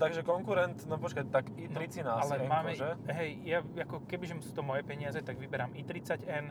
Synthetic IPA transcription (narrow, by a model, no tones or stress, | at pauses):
t̪aɡʒɛkɔŋkuɾɛnt̪nɔpɔt͡ʃkat̪akinɾit͡sinaalɛmaːmɛʒɛɦɛjjaakɔkɛbiʒɛmsuːt̪ɔmɔjɛpɛɲɪazɛt̪aɡʋibɛɾamit̪ɾit͡saɟɛn